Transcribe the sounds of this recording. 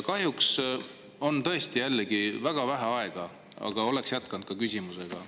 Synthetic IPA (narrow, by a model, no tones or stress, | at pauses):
kɑɦjuks | o̞nt̪ɤ̞e̞st̪ijælːeɡ̥ivæɡ̥ɑvæɦæɑe̞ɡ̥ɑ | ɑ̰ɡ̥ɑo̞le̞ksjæt̪kɑnd̪̥kɑkysʲimuse̞ɡ̥ɑ